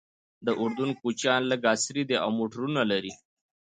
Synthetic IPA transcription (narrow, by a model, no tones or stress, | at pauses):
d̪əʔʊɾd̪unkut͡ʃjɑnləɡasɾid̪eʔa̰wmoʈɾunalaɾi